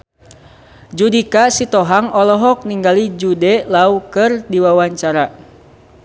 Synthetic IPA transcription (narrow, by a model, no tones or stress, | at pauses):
d͡ʒudikasit̪ɔɦaŋɔlɔɦɔk̚niŋɡalid͡ʒudɛlaukɨrdiwawaɲt͡ʃaɾa